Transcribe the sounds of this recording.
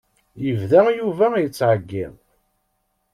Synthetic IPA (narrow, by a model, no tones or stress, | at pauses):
jəvðæjuvæjət͡sːʕəɡːɪ̰ð